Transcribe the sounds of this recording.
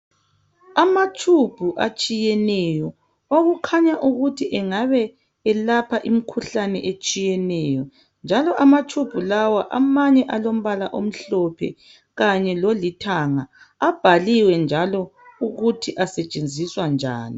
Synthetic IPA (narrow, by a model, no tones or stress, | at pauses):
amatʰub̥ʱuʔa̰t͡ʃʼijɛnɛjɔ | oɣukʰaɲaʔuɣutʰiʔɛŋaβɛ | ɛlapʰaʔimikʰuɬanɛ̰ʔet͡ʃʼijɛnɛːjɔ | nd͡ʒʱalɔʔamatʰub̥ʱulawaʔa̰maɲɛʔalom̩βalaʔom̩ɬɔpʰɛ̰ | ɣaɲɛlolitʰaŋa | ab̥ʱaliwɛnd͡ʒʱalɔuɣutʰiʔasɛt͡ʃʼend͡zʱiswand͡ʒʱa̰ːni